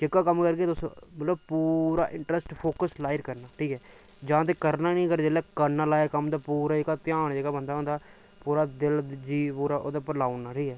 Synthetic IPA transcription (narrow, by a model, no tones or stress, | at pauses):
t͡ʃɪkːaːkəmkəɾkeːt̪ʊsõ̰bət̪ləbpuːɾa̰ːʔɪɳʈɾəsʈpʰoːkəslaːɪɾkəɾnaːʈʰiːkɛː | d͡ʒãːt̪̬eːkəɾnaːnĩːkəɾd͡ʒeːlɛːkəɾnaːlaːekəmd̪aːpuːɾaːd͡ʒeːkaːt̪ɪjaːɳd͡ʒeːɡaːbənd̪aːõnd̪aː | puːɾaːd̪ɪld͡ʒiːpuːɾaːʔo̰ːd̪aːpəɾlaːʊnaːʈʰiːkɛː